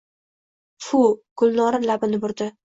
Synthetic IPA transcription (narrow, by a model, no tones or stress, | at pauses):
fʊɡ̥ʊlnɒɾɪlabɪnɪbʊɾd̪ɪ